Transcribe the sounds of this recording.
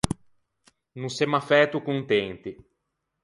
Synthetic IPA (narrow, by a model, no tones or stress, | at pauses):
nusɛmafɛt̪ukuŋt̪ent̪i